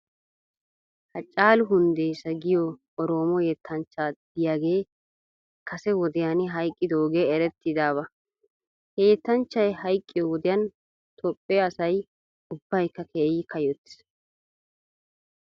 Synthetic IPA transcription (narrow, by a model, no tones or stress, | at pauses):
hɐt͡ʃʼːaːlʊɦʊnd̪ejsɐɡɪjɔ | ɔɾoːmɔjɛt̪ʰːɐnt͡ʃːaːd̪ɪjaːɡe̞ː | kʰɐsɛwɔd̪ɪjanɪɦɐjkʼːɪd̪oːɡe̞ːɛɾɛt̪ːɪd̪aːβɐ | keːt̪ːɐnt͡ʃːɐjhɐjkʼːɪjɔwɔd̪ɪjɐn | t̪ʰɔpʼːeɐsɐj | ʊb̥ːɐjkːɐkʰeːjɪkʰɐjɔt̪ːɪ̥s